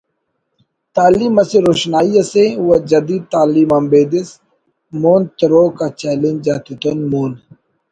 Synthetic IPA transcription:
t̪aːliːmɐsiɾoːɕnaːjɐseuwɐd͡ʒɐd̪iːd̪̚t̪aːliːmɐmbeːd̪is | moːnt̪ɾoːkat͡ɕɛːlend͡ʑat̪ut̪onmuːn

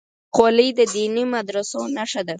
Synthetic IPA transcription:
qolijd̪əd̪inimad̪ɾasonaʂad̪a

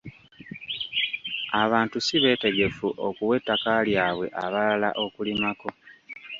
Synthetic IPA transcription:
aβaːntusiβe̞ːte̞ɡe̞fuʔo̞kuwe̞tːakaljaːβwe̞̰ʔaβalala̰ʔo̞kulimako̞

